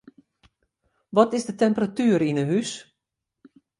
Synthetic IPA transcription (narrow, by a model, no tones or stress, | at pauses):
ʋɔtɪzdətɛmpəratyːɾinəɦys